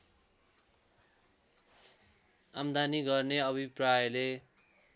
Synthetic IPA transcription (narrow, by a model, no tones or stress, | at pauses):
amd̪aniɡʌrneʌbʱiprajʌle